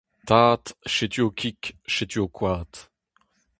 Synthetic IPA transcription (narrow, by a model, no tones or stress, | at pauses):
t̪aːt̪ʃet̪yokʲʰikʃet̪yokʰwaːt̪